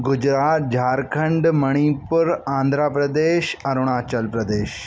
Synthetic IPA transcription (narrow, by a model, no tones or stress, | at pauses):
ɡud͡ʑɾaːt̪̚d͡ʑʱaɾkʰəɳɖməɽ̃ipəɾãnd̪ʱɾapɾɐəd̪eːɕɐɾuɽ̃aːt͡ɕəlpɾəd̪eːɕ